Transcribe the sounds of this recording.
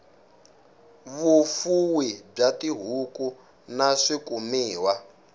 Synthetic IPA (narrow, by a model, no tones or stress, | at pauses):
βufuwib͡ʐatiɦuku | naʂikumiːwa